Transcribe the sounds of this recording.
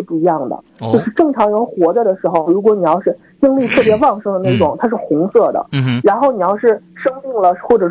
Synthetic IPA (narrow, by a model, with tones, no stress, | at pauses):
pu˥˩˧jɑ˥˩ŋd̪ə̰˩ | t͡ɕjo˥˧ʊʂɻ̩˥˧ʈ͡ʂɤ˥˩ŋʈ͡ʂʰɑ˧˥ŋɻə˧˥nxwɔ˧˥d͡za˥˧d̪ə˩ʂɻ̩˧˥xo˧ʊɻu˧˥kwɔ˧˥ni˨˩jɑ˥˧ʊʂɻ̩˥˧˩ | t̪i˥ŋli˥˧t̪ʰɤ˥˩p̬jɛ˧˥wɑ˥˩ŋʂɤ˥ŋd̪ə˧na˥˩ɪʈ͡ʂʊ˨˩ŋt̪ʰa˥ʂɻ̩˥˩xʊ˧˥ŋsɤ˥˩d̪ə̰˩ɻa˧˥nxo˥˩ʊni˨˩jɑ˥˧ʊʂɻ̩˥˩ʂɤ˥ŋmi˥˩ŋlə˩xwɔ˥˩ʈ͡ʂɤ˨˩